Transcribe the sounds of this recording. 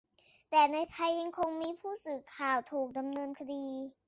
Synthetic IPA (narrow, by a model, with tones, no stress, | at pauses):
t̪ɛː˨˩na˧jt̪ʰa˧jːa˧ŋkʰo˧ŋmiː˧pʰuː˥˩sɯː˨˩kʰaː˨˩wt̪ʰuː˨˩k̚da˧mnɤː˧nkʰa˧diː˧